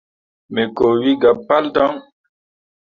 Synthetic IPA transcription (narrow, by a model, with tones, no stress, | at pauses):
me˨ko˨wi˦ɡa˨pːa˦ltã˦ŋ